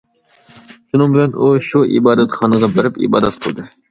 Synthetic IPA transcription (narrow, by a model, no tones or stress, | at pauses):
ʃunɨŋbɪlɛnuʃuʔḭbɑːd̪ɛt̪χɑnɨʁɑbɪɾɪpḭbɑ̰ːd̪ɛt̪̚qʰəlˠd̪ɨ